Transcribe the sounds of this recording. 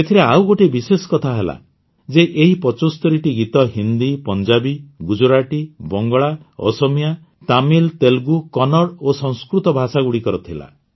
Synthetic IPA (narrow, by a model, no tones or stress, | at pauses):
et̪ʰiɾeawɡoʈebisesɔ̥kɔt̪ʰaɦela̰ | d͡ʒeʔeɦipɔt͡ʃost̪ɔɾiʈiɡit̪ɔɦind̪ipɔnd͡ʒabiɡud͡ʒoɾaʈibɔŋɡɔɭaɔ̰sɔmija | t̪amilt̪elɡukɔnɔɽosɔŋskɾut̪ɔbʱasaɡuɽikɔɾɔt̪ʰila̰